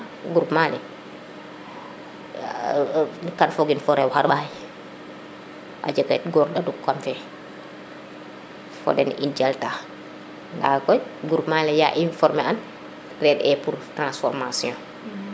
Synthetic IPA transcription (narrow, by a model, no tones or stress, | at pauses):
ɡuɾupmalɛ | kanfɔɡinfɔɾɛwhaɾɓaj | ʔa̰d͡ʒəkɛt̚ɡɔːɾɗadukːamfɛ | fɔ̰dɛ̰nḭnd͡ʒɛlta | nda̰kɔjɡuɾupmalɛjaʔinfɔɾmɛan | rɛdɛpuɾtɾãnsfɔɾmasiɔ̃